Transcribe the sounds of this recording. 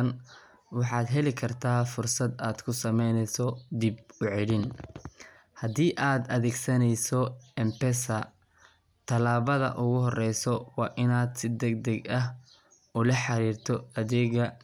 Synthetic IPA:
n | wɑħɑːd̪ɦɛlɪkʰɐrt̪ʰaːfʊrsɐd̪aːd̪̥kʰʊsɐmɛjnɛsɔd̪ib̚ʊʕɛɽɪn | hɐd̪iːʔaːd̪ɐðɛːɡsɐnɛjsɔɛmpɛsɐ | t̪ʰɐlaːβɐðɐ̰ʔʊɣʊɦɔrɛjsɔwɑːʔɪnaːd̪sɪd̪ɛɡ̚d̪ɐɡɐɦ | ʔʊlɐħɑɾiːrt̪ʰɔɐðɛːɣɐ

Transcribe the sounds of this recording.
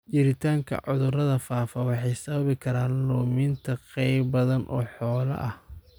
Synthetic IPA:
t͡ʃɪɾɪt̪ʰaːŋkʰɐ̰ʕʊðʊrɐðɐfaːfɐwɑħɑjsɐβɐβɪkʰɐɾaːnlɔːmɪnt̪ʰɐqɛjbbɐðɐnʔɔ̰ːħɔːlɐ̰ʔɐh

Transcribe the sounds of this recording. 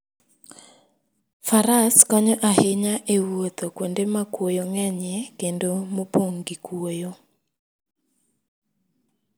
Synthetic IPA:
faɾaskɔɲɔʔaheɲaʔewot̪okwondemakwojoŋɛɲɛkendomopoŋɡikwojo

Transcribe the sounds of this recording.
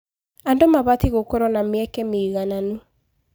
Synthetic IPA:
andomaβatiɣokoɾɔnameɛkɛmeːɣananu

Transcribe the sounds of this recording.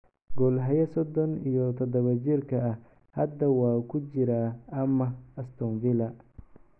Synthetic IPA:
ɡɔlɦɐjɐsɔd̪ɔnijɔt̪ʰɔd̪ɐβɐt͡ʃɪrkʰɐɐ | hɐd̪ɐwɑːkʰʊt͡ʃɪɾaːɐmɐɐst̪ʰɔːnvɪlɐ

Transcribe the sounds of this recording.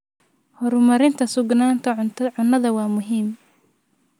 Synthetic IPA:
hɔɾʊmɐɾɪnt̪ʰɐsʊɡnaːnt̪ʰɐʊʕʊnːɐðɐwɑːmʊɦiːm

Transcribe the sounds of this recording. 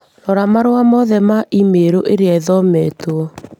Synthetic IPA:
nɔɾamaɾoamɔðɛmaʔimeɾoʔeɾeaðɔmɛto

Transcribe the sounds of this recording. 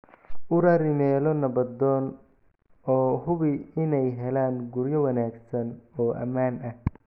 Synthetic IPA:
ʔʊɾɐɾɪmɛːlɔnɐbɐd̪ɔːn | ɔːhʊβɪɪnɛjɦɛlaːŋɡʊɾjɐwɐnaːɡsɐnɔːʔɐ̰maːnɐh

